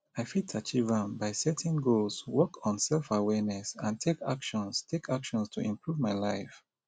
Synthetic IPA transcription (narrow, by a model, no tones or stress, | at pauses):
aɪfitʰat͡ʃivãmbaɪsɛtʰɪ̃nɡolswɔkʰɔ̃n̩sɛlˠfawɛnɛsãntʰekʰakʃɔ̃nstʰekʰakʃɔ̃nstʰuʔĩmpʰɹuvmaɪlaɪf